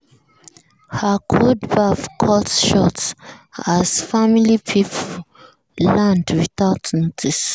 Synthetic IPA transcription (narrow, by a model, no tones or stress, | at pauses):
hakʰodbafkʰɔtʃɔtsaz̥familipʰipʰo | lãndwiθaʊtnɔtʰis